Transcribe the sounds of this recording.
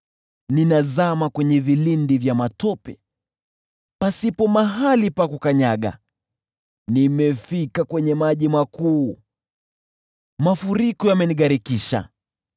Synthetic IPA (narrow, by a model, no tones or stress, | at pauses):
ninazamakwɛɲɛvilindivjamatɔpɛ | pasipɔmaɦalipakukaɲaɠa̰ | nimɛfikakwɛɲɛmaʄimakuː | mafuɾikɔjamɛniɠaɾikiʃa̰